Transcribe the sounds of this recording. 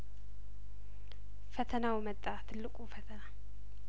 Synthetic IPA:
fət̪ʰənawmət̪ʼːat̪ʰɨlːɨkʼufət̪ʰəna

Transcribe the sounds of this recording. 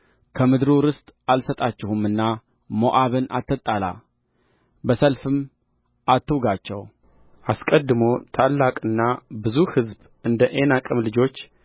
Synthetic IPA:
kʰəmɨd̪ɾuɾɨst̪ʼalsət̪ʼat͡ʃːɛhumɨnːa | moʔaβɨna̰t̪ʰːət̪ʼːala̰ | bəsəlfɨm | ʔat̪ʰːɨwɡat͡ʃːɛw | ʔaskʼəd̪ːɨmo̞t̪ʰalːakʼɨnːabɨzuhɨzb | ɨnd̪əʔe̞nakʼɨmlɨd͡ʒo̞t͡ʃː

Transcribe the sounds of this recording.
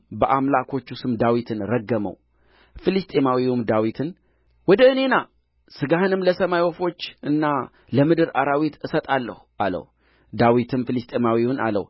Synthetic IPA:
bəʔamlakʰo̞t͡ʃːusɨmd̪awit̪ʰɨnɾəɡːəmə̰w | filɨst̪ʼemawiwumd̪awit̪ʰɨn | wɔd̪əɨne̞na | sɨɡahɨnɨmləsəmajwɔfo̞t͡ʃːʔɨnːa | ləmɨd̪ɨɾʔa̰ɾawit̪ɨsət̪ʼalːə̰huʔalə̰w | d̪awit̪ʰɨnfilɨst̪ʼemawiwʊna̰lə̰w

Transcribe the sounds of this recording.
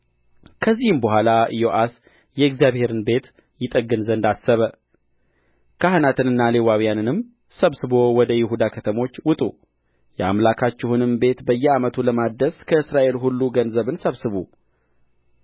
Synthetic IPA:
kʰəzːihɨmbəɦʷalaɨjo̞ʔas | jɛɨɡzjaβhe̞ɾɨnbe̞t̪ | jɪt̪ʼəɡɨnzənd̪asːəβə | kʰaɦnat̪ʰɨnɨnːalewawijanɨnɨm | səβsɨbo̞wɔd̪əjɪɦud̪akʰət̪ʰəmo̞t͡ʃːwʊt̪ʼṵ | jɛa̰mlakʰat͡ʃːɪhunɨmbe̞t̪bəjːɛamət̪ʰuləmad̪əskʰəɨsɾaʔe̞lɦulːuɡənzəβɨnsəβsɨβu

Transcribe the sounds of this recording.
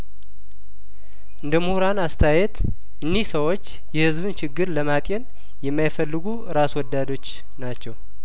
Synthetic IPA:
ʔɨnd̪əmuhuɾanast̪ʰajɛt̪ | ʔɨnːihsəwot͡ʃː | jɛhɨzbɨnt͡ʃʰɪɡːɨɾləmat̪ʼjɛn | jɛmːajfəlːɨɡuɨɾaswɔd̪ːad̪o̞t͡ʃː | nat͡ʃːɛw

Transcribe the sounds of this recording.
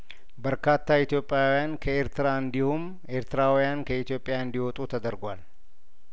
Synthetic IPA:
bəɾkʰat̪ʰːait̪jo̞pʼːjawjankʰəe̞ɾt̪ɨɾaɨnd̪ihum | e̞ɾt̪ɨɾawjankʰəit̪jo̞pʼɪjaɨnd̪iwɔt̪ʼut̪ʰəd̪əɾɡʷal

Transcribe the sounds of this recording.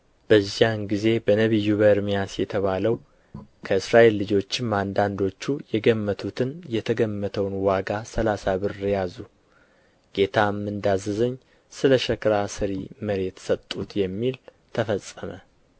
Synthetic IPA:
b̥əzːjanɡize̞bənəβɨjːuβəɨɾmijasjɛt̪ʰəβaləw | kʰəɨsɾaʔe̞lːɨd͡ʒo̞t͡ʃːɪmand̪and̪o̞t͡ʃːujɛɡəmːət̪ʰut̪ʰɨnjɛt̪ʰəɡəmːət̪ʰəwnwaɡasəlasaβɨɾːjazu | ɡ̥e̞t̪ʰamːɨnd̪azɨzəɲː | sɨləʃəkɾasɨɾiməɾe̞t̪sət̪ʼːut̪jɛmːil | t̪ʰəfəsʼːəmə

